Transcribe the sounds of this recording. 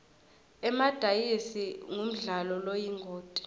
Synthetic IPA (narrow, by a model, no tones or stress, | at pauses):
ɛmad̥ʱajisiŋum̩ɮalɔlojiŋɡʱoːtʼi̥